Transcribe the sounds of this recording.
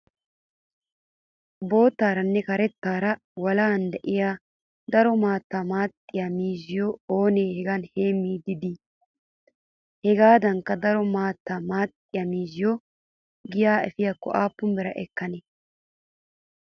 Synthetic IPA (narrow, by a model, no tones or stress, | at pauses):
bo̞ːt̪ːaːɾɐnːɛkɐɾɛt̪ːaːɾɐ | wɐlaːnd̪ɛʔɪjaː | d̪ɐɾɔmaːt̪ːaːmaːt̪ʼːɪjamiːzɪjɔoːneːhɛɡɐnhe̞ːmːiːd̪ɪd̪ɪ | hɛɡaːd̪ɐŋkːɐd̪ɐɾɔmaːt̪ːaːmaːt̪ʼːɪjɐmiːzɪjɔ | ɡɪjaːɛ̰fɪjakːɔ̰ʔaːpːʊmbɛɾɐʔɛkːɐnɛ